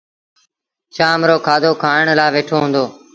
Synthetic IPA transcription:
t͡ʃaːmɾoːkʰaːd̪ʱoːkʰaːɳ̃laːʋeːʈʰoːɦʊ̃ːnd̪oː

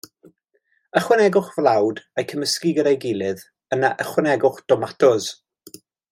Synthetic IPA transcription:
əχwɪnɛɡʊχvlˠawdajkʰəməskiɡəɾajɡɪlˠɨð | ənaʔəχwɪnɛɡʊχd̥ɔmatʰɔz

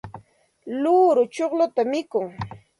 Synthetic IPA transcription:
luɾʊt͡ʃoχlʊt̪amɪkʊŋ

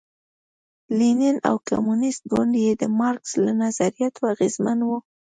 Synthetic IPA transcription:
linɪna̰wka̰munɪst̪̚ɡʊɳɖjed̪əmɑɾkslanazaɾijat̪ʰoaɣezmanwu

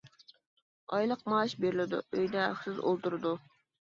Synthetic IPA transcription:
ɑjlˠəqmɑːʃbeɾɪlɪd̪ʊ̰øjd̪ɛɑ̰χsɨzo̰lˠt̪uɾɨd̪u

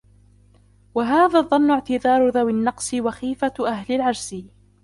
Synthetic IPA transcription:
waɦaːðaːðˤːɑnːʊʕt̪ɪðɑːɾˤʊðawɪnːɑqsˤɪwaxiːfaʔaɦlɪlʕɑɾˤsɪ

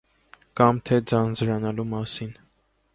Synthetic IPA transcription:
kɑmt̪ʰɛd͡zɑnd͡zɾɑnɑlumɑsin

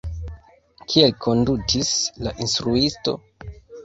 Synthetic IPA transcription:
kʰielkʰo̞ndutʰislaʔinstɾuisto̞̰

